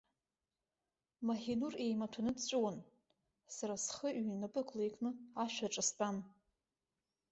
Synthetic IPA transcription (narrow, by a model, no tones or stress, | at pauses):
maħinure̞jmatʷʰanɨdt͡ʃʷʼuwan | saɾasχəʔɥnapʼɨkʼlejkʼnɨaʃᶣʷaʈ͡ʂʼɨstʼan